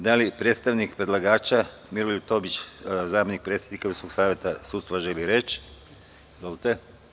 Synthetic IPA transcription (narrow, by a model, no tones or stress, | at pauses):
d̪alipɾeːt̪st̪aʋnikpɾed̪lˠaɡaːt͡ʃa | miɾoʎut̪o̞bit͡ʃzaːmenik̚pɾet̪sjed̪nikauskoɡsaːʋʲje̞t̪asut̪st̪ʋaʒeliɾet͡ʃ | zolt̪e